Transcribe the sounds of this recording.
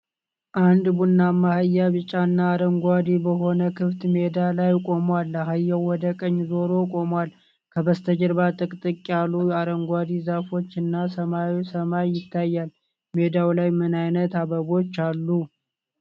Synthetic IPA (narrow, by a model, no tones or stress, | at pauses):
ʔand̪bunːamːahajːaβɨt͡ʃʼanːaːɾəŋɡʷad̪ibəɦo̞nəkʰɨft̪me̞d̪alajkʼo̞mwalːaɦajːəwwɔd̪əkʼəɲːzo̞ɾo̞kʼo̞mwal | kʰəbəst̪ʰəd͡ʒəɾbat̪ʼɨkʼt̪ʼɨkʼːjalujaɾəŋɡʷad̪izafo̞t͡ʃːɨnːasəmasəmajːɪt̪ʰːajːal | me̞d̪awlajmɨnajnət̪aβəβo̞t͡ʃːalːu